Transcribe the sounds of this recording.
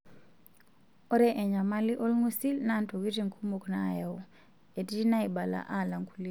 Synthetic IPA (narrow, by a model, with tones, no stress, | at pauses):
ɔ˦ɾɛ˦ʔɛ˨ɲa˨ma˦li˦ʔo˦lŋu˦si˦lna˦˨nto˨ki˦ti˨ŋkʰu˦mo˨kna̰˦˨ja˨u˨ | e˨ti˦i˦na˦i˨ba˨la̰˨ʔa˦˨la˨ŋku˦li˦